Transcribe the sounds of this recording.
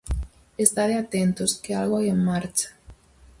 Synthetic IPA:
est̪aðeat̪ent̪oskealɣoajeŋmaɾt͡ʃḁ

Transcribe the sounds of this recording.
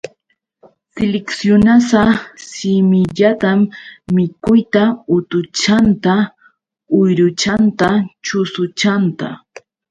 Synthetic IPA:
sɪlɪksjʊnasasɪmɪʎat̪amːɪkʊjt̪aʊt̪ʊt͡ʃant̪a | ʊjɾʊt͡ʃant̪at͡ʃʊsʊt͡ʃant̪a̰

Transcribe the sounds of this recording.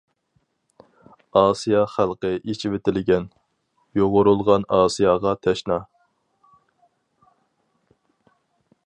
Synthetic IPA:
ɑːsijɑχælˠqəʔet͡ʃʰivet̪ʰɪlɪɡʲɛn | joʁʊɾulˠʁɑnɑːsijɑʁɑt̪ʰɛʃnɑ

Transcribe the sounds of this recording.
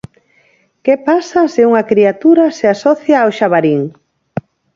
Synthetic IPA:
kepasɐsɪuŋɐkɾiat̪uɾɐseasɔθjaːwʃaβaɾiŋ

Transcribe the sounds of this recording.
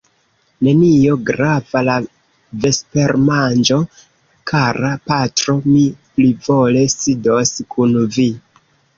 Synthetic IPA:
ne̞nio̞ɡɾavala | ve̞spe̞ɾmand͡ʒo̞ | kaɾapatɾo̞miplivo̞le̞sido̞skʰunvi

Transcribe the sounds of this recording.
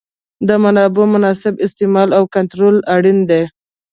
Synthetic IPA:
d̪əmanɑbomʊnɑsɪbɪst̪ɪmɑlawkant̪ɾolaɽind̪e

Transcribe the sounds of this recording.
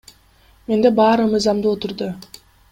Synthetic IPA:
me̞nd̪e̞bɑːɾɯmɯjzɑmd̪ɯot̪ʊɾd̪ʊ

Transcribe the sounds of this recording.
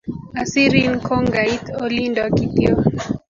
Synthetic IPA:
asiɾinkʰɔŋɡait̪ɔlindakitḭɔ

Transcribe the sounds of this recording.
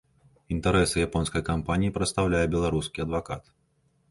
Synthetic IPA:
int̪ɐɾɛsɨjapɔnskɐjkampanʲijipɾɐt̪st̪awlʲajɛbʲɛlˠaɾuskʲiɐd̪vakat̪

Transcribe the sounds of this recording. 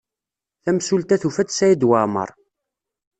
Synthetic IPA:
θæmsult̪æθufæt͡s̪sæjid̪wamə̰ɾˤ

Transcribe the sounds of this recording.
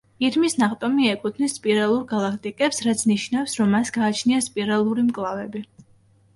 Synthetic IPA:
iɾmisnaχt̪ʼɔmiɛkʼut̪ʰnispʼiɾalˠuɾɡalˠakʰt̪ʼikʼɛpsɾat̪sʰniʃnafsɾɔmːasɡaːt͡ʃʰniaspʼiɾalˠuɾimkʼlˠavɛbi

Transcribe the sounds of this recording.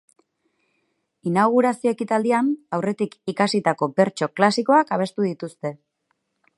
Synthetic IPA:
inaɣ̞uɾasio̞ekit̪ald̪ianawre̞t̪ikikasit̪ako̞be̞ɾt͡ʃo̞klasiko̞akaβ̞e̞st̪uðit̪ust̪e̞

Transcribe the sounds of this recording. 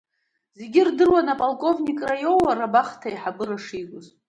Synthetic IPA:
zeɡʲirdɨrwanapʼalˠkʼo̞vnʲikʼrajowwarabaχtʰaiħabɨɾaʂikʷʼʊz

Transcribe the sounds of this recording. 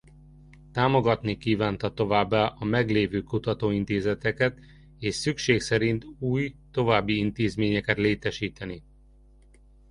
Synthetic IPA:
t̪aːmo̞ɡɒt̪nikiːvaːnt̪ɒt̪o̞vaːbːaːʔɒmɛɡleːvøːkut̪ɒt̪oːint̪eːzɛt̪ɛkɛt̪ | eːʃsykʃeːksɛɾint̪uːjt̪o̞vaːbːiint̪eːzmeːɲɛkɛt̪leːt̪ɛʃiːt̪ɛni

